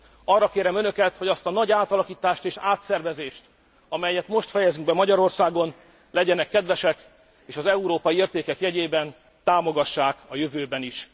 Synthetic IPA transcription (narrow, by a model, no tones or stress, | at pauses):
ɒrːɒkeːɾɛmønø̞kɛt̪ho̞ɟɒst̪ɒnɒɟaːt̪ɒlɒkiːt̪aːʃt̪eːʃaːt̪sɛrvɛzeːʃt̪ | ɒmɛjːɛt̪mo̞ʃt̪fɛjɛzyŋ̚bɛmɒɟɒɾo̞rsaːɡo̞n | lɛɟɛnɛkːɛd̪ʋɛʃɛk | eːʃɒzɛuɾoːpɒjieːrt̪eːkɛkjɛɟeːbɛn | t̪aːmo̞ɡɒʃːaːkɒjøvøːbɛniʃ